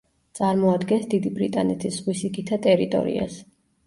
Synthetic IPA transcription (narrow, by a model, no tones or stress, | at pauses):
t̪sʼaɾmɔad̪ɡɛnsd̪id̪ibɾit̪ʼanɛt̪ʰisʁwisikʰit̪ʰat̪ʼɛɾit̪ʼɔ̰ɾḭa̰s